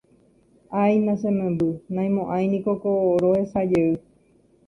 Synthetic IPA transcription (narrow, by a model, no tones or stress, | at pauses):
ajnãsẽmẽmbɨnãj̃mõʔãj̃nĩkokoɾohesad͡ʒeɨ